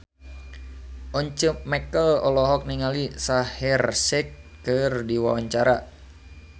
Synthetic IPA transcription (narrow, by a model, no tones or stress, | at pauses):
ʔɔɲt͡ʃəpmɛkəlɔ̰lɔɦɔk̚niŋalisahirsɛkːɨrdiwawaɲt͡ʃaɾa